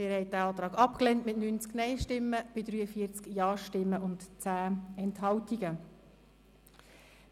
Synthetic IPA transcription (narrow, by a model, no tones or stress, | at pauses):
ɪɾhɛɪt̚d̥æɑːt̪ɾɑːɡɑpklɛntmɪtnyːnt͡sknɛɪʃtɪmːəb̥ɪd̪ɾyːəfiːət͡skjɑːʃtɪmːəʔʊntt͡sæːɛntɦɑwtiɡə